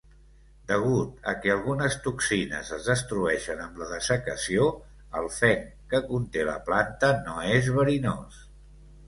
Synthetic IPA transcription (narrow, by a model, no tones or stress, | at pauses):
d̪əɣ̞ut̪̚ə̰kɛəlˠɣunəst̪uksinə̰zəzðəst̪ɾuɛʃənəmləðəsəkəsio | əlˠfɛŋ | kəkunt̪elə̰plant̪ənoezβəɾinos